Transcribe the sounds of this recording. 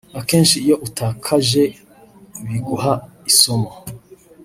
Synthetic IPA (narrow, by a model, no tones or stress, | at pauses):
ake̞ːnʃiːjo̞ʔutaːkʰaʒe̞ | βiɡuhaisomo